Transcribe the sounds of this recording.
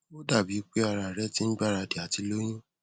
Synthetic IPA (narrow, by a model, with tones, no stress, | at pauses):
bo˦da˦˨bi˨˦k͡pe˦a˧ɾa˨ɾɛ˦ti˦n̩˦ɡ͡ba˦ɾa˧di˨a˨ti˧lo˦j̃ĩ˦